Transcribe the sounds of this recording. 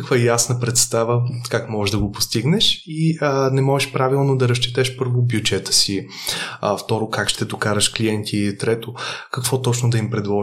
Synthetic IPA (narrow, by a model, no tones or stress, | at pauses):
kvajasnəpɾɛt̪st̪avəkakmɔʒɛʒd̪ɐɡopost̪iɡnɛʃiənɛmɔʒɛʃpɾavilˠnod̪ɐɾɐʃ̬t͡ʃit̪ɛʃpɤɾvʊbjud͡ʒɛt̪ə̥si | ft̪ɔɾokakʃt̪ɛd̪okaɾəʃkliɛnt̪ʰiːlit̪ɾɛt̪okəkv̥ɔt̪ɔt͡ʃnod̪ɐimpɾɛd̪lˠɔ